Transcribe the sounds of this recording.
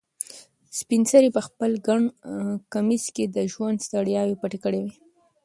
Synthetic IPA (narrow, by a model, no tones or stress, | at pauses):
spinsaɾipəxpəlɡaɳkamisked̪əʒwand̪st̪aɽjɑwepaʈekəɽewe